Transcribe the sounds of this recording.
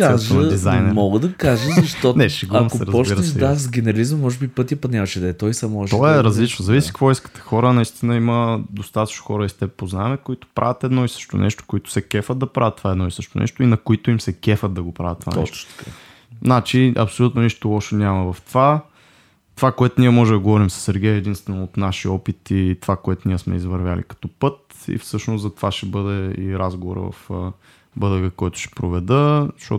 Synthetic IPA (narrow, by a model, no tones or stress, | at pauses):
aʒəd̪izajnɛmɔɡəd̪ɐkaʒəzɐʃt̪ɔnɛsiɡuɾanososɛɾəzpɔt͡ʃbiɾəɛʃd̪azɡʲɛnɛɾɐlizməmːɔʒɛbipɤt̪iəpɐd̪nʲavəʃɛd̪ɛt̪ɔjsamɔʒt̪ɔɛɾɐzlit͡ʃnozɐvisi̥kvɔiskə̥t̪ə̥xɔɾənɐist̪inəiməd̪ost̪at̪ɐt͡ʃnoxɔɾəist̪ɛpoznaɛmɛkoit̪o̥pɾʔa̰vʲjət̪ɛd̪nɔisɤ̥ʃt̪o̰nɛ̰ʃt̪o̥koit̪ʊ̥sɛkɛfəd̪̚d̪ɐpɾavət̪ːovaɛd̪nɔisɤʃt̪o̰nɛ̰ʃt̪oinɐkoit̪ʊimsɛkɛfəd̪̚d̪ɐɡopɾavət̪ːova̰nɛ̰ʃt̪ka̰ | znat͡ʃiʔɐ̰psolʲut̪noniʃt̪olˠɔʃɛnʲamɐvɐft̪ova | t̪ovakoɛt̪ʊniɛmɔʒɛd̪ɐɡovɔɾimsɐ̥sːɛɾɡʲɛjəɛd̪inst̪vɛnoot̪naʃiɔpit̪it̪ovakoɛt̪ʊnʲiɛsmɛ̰izvɐɾvʲjalḭkɐ̥t̪ɔpɤt̪ | ḭfsɤʃnoszɐt̪ovaʃɛbɤd̪ɛiɾazɡovo̰ɾə̰vɐ̰f | bɤd̪əɡəkɔjt̪ʊ̥ʃɛ̥pɾovɛd̪əʃɔ̰